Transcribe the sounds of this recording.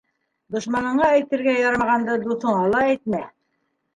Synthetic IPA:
d̪ŏʃmɑnɤ̆ɴɑæjt̪ɘ̆ɾɡæjɑɾɑɑʁɑnd̪ɤd̪uθɤ̆ɴɑlˠɑæjt̪̚mæ

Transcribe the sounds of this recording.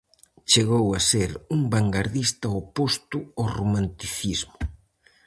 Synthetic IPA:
t͡ʃeɣowaseɾuŋbaŋɡaɾðist̪ɐopost̪ʊoromant̪iθizmʊ

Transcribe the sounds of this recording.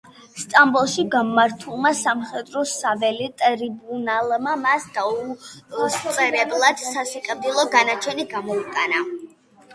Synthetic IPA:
st̪ʼambulˠʃiɡamaɾt̪ʰulˠmasamχɛd̪ɾɔsavɛlit̪ʼɾibunalˠmamasd̪̥aust̪sʼɛɾɛblˠad̪̥sasikʼɾd̪ilˠɔɡanat͡ʃʰɛniɡamɔikʼana

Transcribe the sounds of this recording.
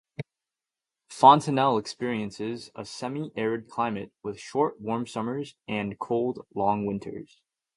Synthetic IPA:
fɑ̃ntʰɨnɛlˠəkspɪɹiɨ̃nsɪzə̰sɛmiʔɛɹɨd̚kʰl̥ãɪ̃mɨt̚wɪð̥ʃɔɹʔ̚wɔɹmsʌmə˞zɨ̃nkʰoʊlˠdlɔ̃ŋwɪ̃ntʰə̰˞z̥

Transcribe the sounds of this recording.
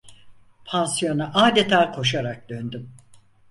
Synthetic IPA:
pʰansijo̞naʔaːd̪et̪ʰaːkʰo̞ʃaɾak̚d̪ønd̪ym

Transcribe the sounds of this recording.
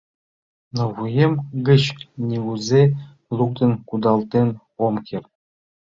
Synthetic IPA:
noβujemɡɘ̆t͡ɕnʲiɡuzʲe | lˠuk̚t̪ɤ̆nkud̪ɑlˠt̪en | omkʲer

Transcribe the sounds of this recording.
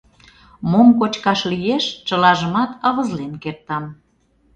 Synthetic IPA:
momkot͡ɕkɑʃlijeʃt͡ɕəlɑʒəmɑt̪ə̆ɣə̆zlenkert̪ɑm

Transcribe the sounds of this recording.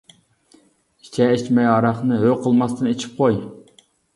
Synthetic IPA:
i̥t͡ʃʰɛet͡ʃmɛjɑɾɑχnɨɦøqʰəlˠmɑst̪ɨnet͡ʃʰi̥p̚qʰoj

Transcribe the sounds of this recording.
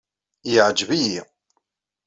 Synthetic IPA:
jəʕd͡ʒviji

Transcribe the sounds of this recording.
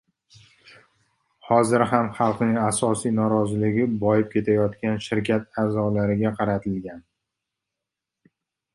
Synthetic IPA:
hɒzɪɾɦamχɑlˠqnɪŋasɒsijnɒɾɒzɪlɪɡʲɪbɒjɪp̚kʲʰe̞t̪ʰajɒt̪kʲanʃɪɾkʲʰat̪azɒlaɾɪɡʲaqʰɑɾat̪ʰɪlɡʲan

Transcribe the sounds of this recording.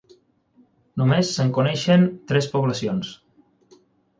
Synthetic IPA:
numesːəŋkunɛʃənt̪ɾɛspuβləsions

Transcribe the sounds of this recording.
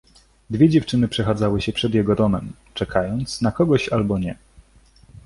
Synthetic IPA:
d̪vʲjɛd͡ʑɛft͡ʂɘnɘpʂɛxad̪zawɘɕɛpʂɛd̪jɛɡɔd̪ɔmɛm | t͡ʂɛkʰajɔnt̪snakɔɡɔɕalbɔɲɛ

